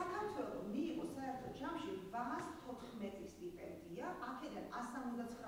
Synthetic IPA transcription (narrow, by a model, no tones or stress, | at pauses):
akʰaɾt̪ʰwɛlˠɔ̰miːʁɔsaɛɾt̪ʰɔd͡ʒamʃivaːst̪ʰɔt̪ʰχmɛt̪ʼist̪ʼippʼɛ̰nd̪iaʔakʰɛd̪anasamɔzd̪at̪sʰχɾ